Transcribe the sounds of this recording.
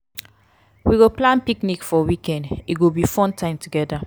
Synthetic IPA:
wiɡoplãnpiknikfɔwikɛ̃ndiɡobifɔ̃ntʰãɪ̃mtʰuɡɛda

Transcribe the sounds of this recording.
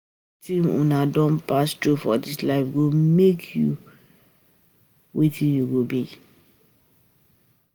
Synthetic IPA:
tʰĩmṵ̃nãdɔ̃npastufɔdɪslaɪfɡomekʰju | wetʰĩnjuɡobi

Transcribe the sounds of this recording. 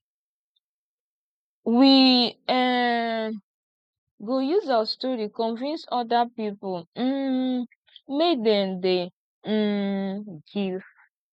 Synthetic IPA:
wiɛ | ɡojuzawastɔɹikɔ̃nvĩnsɔdapipʊm̩ | mekdɛ̃mde | ɡiv

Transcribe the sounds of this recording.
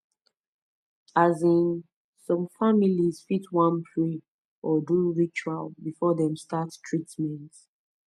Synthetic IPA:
azĩn | sɔ̃mfamiliz̥fitwãnpʰɹi | ɔduɹit͡ʃualbifɔðɛ̃mstattʰɹitmɛ̃nt

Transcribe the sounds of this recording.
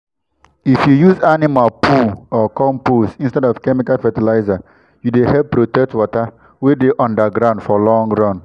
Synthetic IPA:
ifjujuzanimalpʰuɔkɔ̃mpusĩnstɛdɔvkɛmikalfɛtilaɪza | judehɛppːɾotɛk̚twɔta | wedeʔɔ̃ndəɡɾãʊ̃ndfɔlɔ̃ŋɹɔ̃n

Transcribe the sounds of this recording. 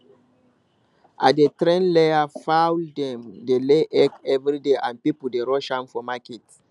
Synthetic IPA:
ʔa̰tdetɾɛ̃nleafawldɛ̃mdeleʔɛkɛvɹideʔãnpipul̩deɹɔʃãmfɔmakɛt

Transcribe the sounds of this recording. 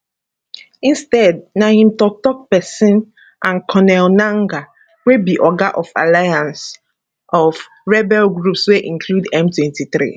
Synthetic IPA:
ĩnstɛd̚nahĩmtɔk̚tɔk̚pɛsĩn | ʔãnkʰɔnɛlnãŋɡa | webiʔɔɡaʔɔfa̰lajãns | ʔɔf | ɹɛbɛlɡɹupsweʔĩŋkʰludɛ̃mtwɛ̃ntʰiθɾḭ

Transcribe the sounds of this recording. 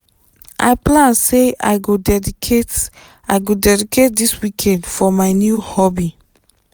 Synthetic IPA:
ʔa̰jplãnsea̰jɡodɛdiet | ajɡodɛdiket̚diswikʰɛ̃ndfɔmajnjuhɔbi

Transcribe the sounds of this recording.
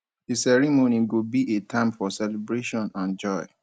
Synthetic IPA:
disɛɹimoniɡobiʔetʰãɪ̃mfɔsɛlebɹeʃɔ̃nãnd͡ʒɔɪ

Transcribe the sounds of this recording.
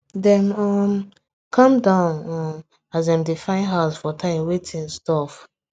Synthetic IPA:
dɛ̃nɔm | kʰɔ̃mdãʊnɔ | azãɪ̃mdifãɪ̃nɦaʊsfɔtʰãɪ̃mwetʰĩnstɔf

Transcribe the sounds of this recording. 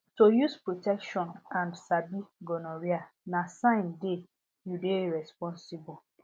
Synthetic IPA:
tojuspɹotɛkʃɔ̃nãndsabiɡɔnɔɾia | nasãɪ̃nde | judeɹɛspɔ̃nsibɔ

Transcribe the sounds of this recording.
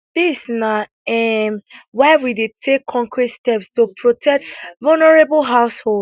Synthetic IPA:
ð̥isna | ɛmwaɪwidetʰekʰːɔ̃ŋkʰɹitstɛpstupʰɹotʰɛk̚tvalnəɹebəlɦaʊshod

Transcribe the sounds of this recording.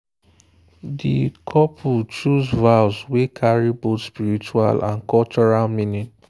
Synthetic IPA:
dikʰɔpʰut͡ʃuzvaʊswekʰaɹibotspiɹit͡ʃua̰lãnkɔlt͡ʃɔɹalmĩnĩn

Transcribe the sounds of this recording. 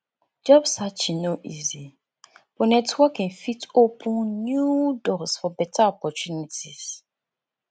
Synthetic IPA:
d͡ʒɔbsat͡ʃinoʔizi | b̥ɔnɛtwɔkːɛ̃nfitopʰũnnjudɔsfɔbɛtʰaɔpɔt͡ʃjunitiz̥

